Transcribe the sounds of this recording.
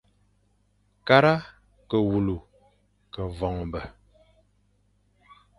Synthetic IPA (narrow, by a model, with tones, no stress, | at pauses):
ka˦ɾa˦ | kə˨wu˨lu˨ | kə˨vɔ˨ŋ˨bə˨